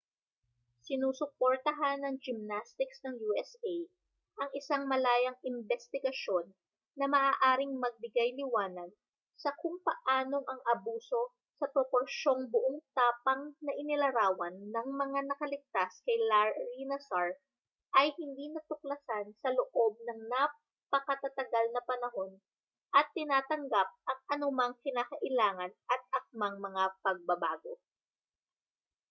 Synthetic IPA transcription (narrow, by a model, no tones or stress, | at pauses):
sɪnuːsʊpoɾt̪ɐɦanːɐŋd͡ʒɪmnast̪ɪksnɐŋjuːɛsej | ʔɐŋɪsaŋmɐlaːjɐŋɪmbɛst̪ɪɡɐʃo̞nː | ɐmɐʔaːʔaːɾɪŋmɐɡ̚bɪɡajlɪwaːnɐd̪̚ | sɐkʊŋpɐʔaːno̞ʔɐŋʔɐbuːso̞ | sɐpɾopo̞ɾʃo̞ŋbʊʔoŋt̪aːpɐŋnɐʔɪnɪlɐɾaːwɐnːɐŋmɐŋanɐkɐlɪɡ̚t̪askɐjlaɹinɐsaɹ | ʔɐjhɪnd̪inɐt̪ʊk̚lɐsansɐloʔo̞b̚nɐŋna | pɐkɐt̪at̪ɐɡalnɐpɐnɐɦo̞n | ʔɐt̪ːɪnaːt̪ɐŋɡap̚ʔɐŋʔɐnʊmɐŋkɪnaːkɐʔɪlaːŋɐnʔɐt̪̚ʔɐk̚maŋmɐŋapɐɡ̚bɐbaːɡo̞̰